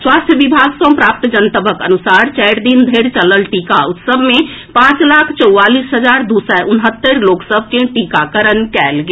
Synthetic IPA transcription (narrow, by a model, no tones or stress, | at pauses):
swaːst̪ʰjəʋibʱaːɡsɔ̃mpɾaːp̚t̪d͡ʒənt̪əbəkə̰nusaːɾt͡ʃɛɾd̪ind̪ʱeɾt͡ʃələlʈikaʊt̪səbʱmẽ | pãt͡ʃlaːkʰt͡ʃəʊːaːliːsɦəd͡ʒaɾd̪usɛʔʊnɦət̪ːəɾloːksəb̚ʱt͡ʃẽʈikakəɾənkɛːlɡe